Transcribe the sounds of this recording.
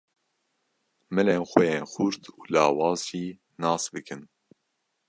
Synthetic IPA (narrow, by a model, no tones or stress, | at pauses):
mɨleːnxʷɛjeːnxʊɾt̪ʰuːlɑ̰ːwɑːzʒiː | nɑːsbɨkʰɨn